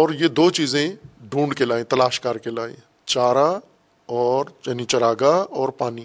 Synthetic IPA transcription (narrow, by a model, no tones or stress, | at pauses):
ɔːɾjed̪oːt͡ʃiːzẽɖʱũːɳɖkelaːẽt̪ɐlaːʃkaːɾkelaːḛ̃ | t͡ʃaːɾa | ɔːɾt͡ʃɐnit͡ʃɐɾaːɡaɔːɾpaːniː